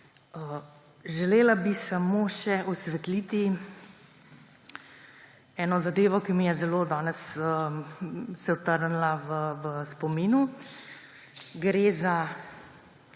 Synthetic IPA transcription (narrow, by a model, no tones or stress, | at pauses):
ə | ʒɛleːlabisamoːʃɛʔɔsʋɛt̪liːt̪i | ɛːnɔzad̪eːʋɔkimijɛzɛlod̪aːnɛsə | sɛɔt̪əɾnlaʋəʋəspɔmiːnu | ɡɾeːza